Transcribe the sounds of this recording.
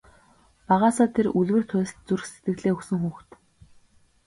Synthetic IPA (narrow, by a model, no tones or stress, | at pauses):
paʁaːsɔːt̪ʰeruɮwɘ̆r̥t̪ʰʊ̟st̪̚t͡surxse̥t̪ɡɘ̆ɣɮeːɵksɵ̆ŋxuːxt̪